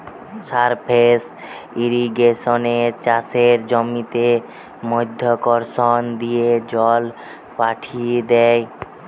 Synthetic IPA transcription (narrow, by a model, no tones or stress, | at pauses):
saɾpʰes | iɾiɡeʃonet͡ɕaseɾd͡ʑɔmit̪e | mɔjd̪ʱːjokɔɾʃond̪ijed͡ʑɔl | paʈʰied̪ɛj